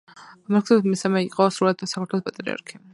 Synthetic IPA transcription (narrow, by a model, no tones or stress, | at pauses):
amɛɾkʰsɛd̪d̪misamɛiqʼɔsɾulɛd̪sakʰaɾt̪ʰɛlˠɔspʼat̪ʼɾḭa̰ɾkʰi